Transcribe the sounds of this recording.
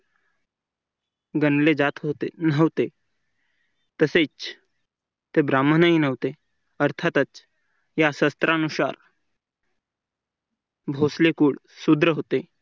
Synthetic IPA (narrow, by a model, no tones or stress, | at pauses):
ɡənled͡zat̪ɦot̪enəʋt̪e | t̪əset͡ɕ | t̪ebɾamːənaɦinəʋt̪e | əɾt̪ʰat̪ət͡s | jasəst̪ɾʔanusa̰ɾ | bʱoslekuːɽ | sud̪ɾəɦot̪e